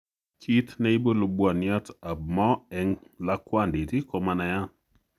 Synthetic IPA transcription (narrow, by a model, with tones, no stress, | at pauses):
kʰi˦t̪nɛ˦i˦bo˦lo˨bwa˨nja˦ta˨b̚mɔ˦ɛ˦ŋla˦kwa˦˨ndi˨ti˦ko˨ma˨na˨ja˦